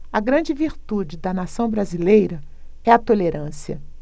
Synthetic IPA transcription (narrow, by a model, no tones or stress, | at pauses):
ɐɡɾɐ̃d͡ʒɪviɾt̪ud͡ʒɪd̪ɐnasɐ̃w̃bɾazilejɾɐ | ɛɐt̪oleɾɐ̃siɐ̰